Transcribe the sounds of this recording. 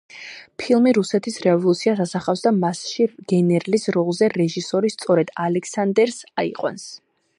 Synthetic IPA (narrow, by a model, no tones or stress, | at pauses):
pʰilˠmiɾusɛt̪ʰisɾɛvɔlˠut̪sʰiasasaχafsd̪amasʃiɡ̥ɛnɛɾlisɾɔlˠzɛɾɛʒisɔɾist̪sʼɔɾɛd̪̥alɛkʰsand̪ɛɾsaḭqʼwa̰ns